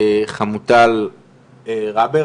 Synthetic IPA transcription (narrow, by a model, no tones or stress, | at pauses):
χamut̪al | ʁabe